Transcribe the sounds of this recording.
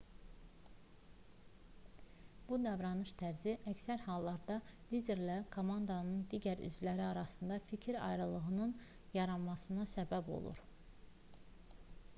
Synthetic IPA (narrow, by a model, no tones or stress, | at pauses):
b̥ud̪ɑvɾɑnɯʃt̪ʰæɾziʔæcsæɾhɑlˠːɑɾd̪ɑlizeɾlækʰo̞mɑnd̪ɑnɯnd̪iɟæɾy̰zlæɾiɑɾɑsɯnd̪ɑficʰiɾɑ̰jɾɯlˠɯɣɯnɯn | jɑɾɑnmɑsɯnɑsæbæbo̞̰lˠṵɾ